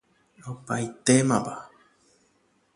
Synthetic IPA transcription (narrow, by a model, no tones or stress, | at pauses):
opajt̪emãpa